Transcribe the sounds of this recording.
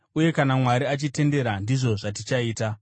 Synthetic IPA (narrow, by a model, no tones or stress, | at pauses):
uje̞kanamwaɾiat͡ʃite̞nde̞ɾandiʐo̞ʐatit͡ʃaiːta